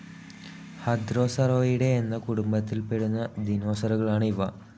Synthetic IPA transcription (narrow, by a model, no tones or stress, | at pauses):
had̪ɾosaɾoiɽeenːɐkuʈumbat̪ilpeɽunad̪inosɐɾɐɡɐɭaɳiʋa